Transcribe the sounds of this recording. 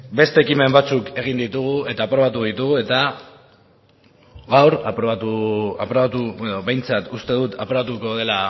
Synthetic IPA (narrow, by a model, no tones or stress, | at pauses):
be̞st̪e̞ːkime̞mbat͡suke̞ɣ̞ind̪it̪uɣ̞ue̞t̪aːpɾo̞β̞at̪̬uð̞it̪uɣue̞t̪a | ɣawɾapɾoβat̪uapɾoβat̪ueðoβe̞jnt͡sat̪ust̪e̞ðut̪apɾo̞βat̪uko̞ðe̞la